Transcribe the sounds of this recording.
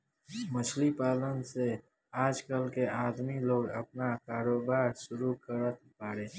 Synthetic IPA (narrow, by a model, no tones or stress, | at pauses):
mət͡ʃʰlipaːlənse | aːd͡ʒkəlkeaːd̪miloːɡəpnakaːɾoːbaːɾʃʊɾukəɾət̪̚paːɽeː